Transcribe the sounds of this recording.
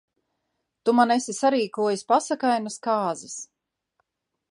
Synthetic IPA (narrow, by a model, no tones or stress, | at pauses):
t̪umanesisaɾiːkuɔjasʲpasakajnaskaːzis